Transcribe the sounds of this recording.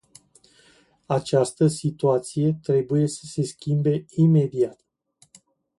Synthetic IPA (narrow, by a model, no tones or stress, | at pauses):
at͡ʃast̪əsit̪uat̪sije̞t̪ɾe̞buje̞sə̥se̞skʲimbe̞ime̞d̪iat̪